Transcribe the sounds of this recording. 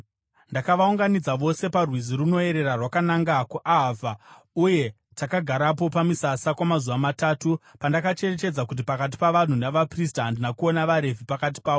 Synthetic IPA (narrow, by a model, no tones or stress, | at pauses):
ndakaʋauŋɡanid͡zaʋo̞se̞parwiziruno̞e̞ɾe̞rarwakanaŋɡakuʔaɦava | uje̞ | takaɡʱaɾap̬o̞pamisasakwamazuʋamataːtupandakat͡ʃe̞re̞t͡ʃe̞d͡zakut̬ipakat̬i̥paʋan̤unaʋapris̬taɦandinakuo̞naʋaɾe̞vʱipakat̬i̥paːʋo